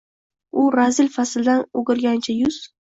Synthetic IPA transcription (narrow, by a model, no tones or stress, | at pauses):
ʊɾazɪlʲfasld̪anoɡʲɪɾɡʲant͡ʃʰajʊz̥